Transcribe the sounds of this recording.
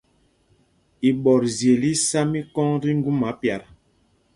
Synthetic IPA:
i˨ɓɔ˨ɾzje˨li˦sa˦mi˦kɔ˦ŋdi˦ŋ˦ɡu˦ma˨˦pja˨ɾ

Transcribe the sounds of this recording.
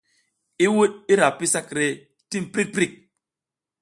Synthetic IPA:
i˦wu˦ɗ̚i˦ɾa˨pi˦sa˦kɾe˨ | ti˦mpɾi˦k̚pɾi˦˨k̚

